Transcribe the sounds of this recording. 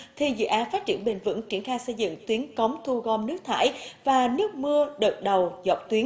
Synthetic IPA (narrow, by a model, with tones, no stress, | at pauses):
t̪ʰi˨˩zɨ̰˧˨ʔaː˨˦faː˦˥t̚t͡ɕḭ˧˩ənɓi˨˩ŋvɨ̰˧˥ŋt͡ɕi˧˩ənxaː˧jsə˧jzɨ̰˧˨ŋt̪wi˨˦ənkə˨˦wŋ͡mt̪ʰu˧ɣɔ˧mnɨ˦˥ək̚t̪ʰa̰ː˧˩jvaː˨˩nɨ˦˥ək̚mɨ˧əɗəː˨˩t̚ɗə˨˩wzɔ˨˩wk͡p̚t̪wi˨˦ə